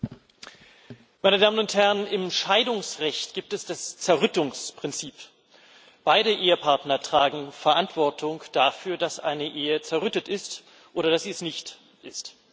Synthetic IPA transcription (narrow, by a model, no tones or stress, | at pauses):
maɪnədaːmənʊnthɛʁənɪmʃaɪdʊŋsʁɛçtɡ̥iːp̚tɛsd̥ast͡sɛɐʁʏtʊŋspʁ̥ɪnt͡siːp | b̥aɪɾəʔeːəpʰaɐtnɐtʁ̥aːɡŋ̩fɛɐʔantv̥ɔɐtʰʊŋd̥afyːɐdasʔa̰ɪnəʔeːət͡sɛɐʁʏtətɪst | ʔoːɾɐdasz̥iːɛsnɪçt | ʔɪst